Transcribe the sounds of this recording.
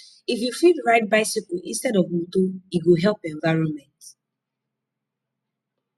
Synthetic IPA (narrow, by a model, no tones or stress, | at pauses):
ifjufidɹaɪt̚baɪsikɔʔĩnstɛdɔvwutoiɡoɦɛlpɛ̃ɱvaɪɹɔ̃nmɛ̃nt